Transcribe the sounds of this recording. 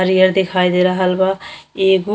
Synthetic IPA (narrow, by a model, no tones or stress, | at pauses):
aɾijəɾd̪ekʰajd̪eɾaɦəlbaeɡu